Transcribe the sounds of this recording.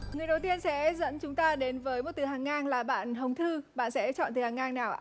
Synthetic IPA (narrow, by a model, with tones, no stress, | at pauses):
ŋɨ˨˩əjɗə˨˩wt̪i˧ənsɛ̰˧˥zə̰˧˥nt͡ɕʊ˨˦ŋ͡mt̪aː˧ɗe˨˦nvəː˨˦jmo˨˩t̚t̪ɨ˨˩ɦaː˨˩ŋːaː˧ŋlaː˨˩ɓa̰ː˧˨nɦə˨˩wŋ͡mt̪ʰɨ˧ɓa̰ː˧˨nsɛ̰˧˥t͡ɕɔ̰˧˨nt̪ɨ˨˩haː˨˩ŋaː˧ŋnaː˨˩wʔa̰ː˧˩